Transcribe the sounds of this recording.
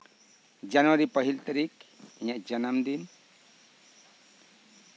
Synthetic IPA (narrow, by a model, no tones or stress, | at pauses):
d͡ʒanuwaɾipəɦilt̪aɾikiɲaʔd͡ʒənamd̪in